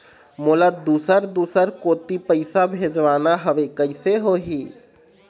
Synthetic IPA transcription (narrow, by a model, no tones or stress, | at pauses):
moːlad̪uːsəɾd̪uːsəɾkoːt̪ipəɪsabʱeːd͡ʒʋaːnaɦɐʋekəɪseɦoːɦiː